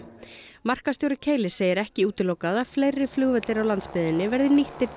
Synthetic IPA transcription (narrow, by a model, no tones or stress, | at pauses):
mar̥kast̪jowɾɪcʰeːjlɪsːeːjɪɾɛhcɪuːt̪ɪlowkaðaflejrːɪ̥flʏɣvɛt̪lɪɾawlant̪spɪðɪnːɪvɛɾðɪniht̪ɪɾ